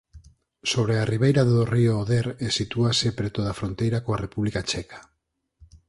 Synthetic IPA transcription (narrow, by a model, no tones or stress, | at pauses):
soβ̞ɾeariβ̞ejɾaðorioːðeɾesit̪uasepɾet̪oðafɾont̪ejɾakoarepuβlikat͡ʃɛkḁ